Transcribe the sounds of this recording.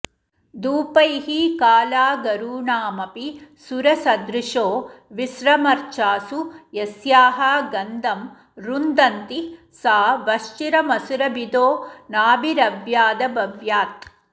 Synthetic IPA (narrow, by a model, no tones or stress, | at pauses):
d̪uːpɐjɦikaːlaːɡɐɾuːɳaːmɐpisuɾɐsɐd̪ɾiʂoːʋisɾɐmɐɾt͡ʃaːsujesjaːɦɐɡɐnd̪ɐm | ɾund̪ɐnt̪i | saːʋɐʃt͡ʃiɾɐmɐsuɾɐbid̪oːnaːbiɾɐʋjaːd̪ɐbɐʋjaːt̪̚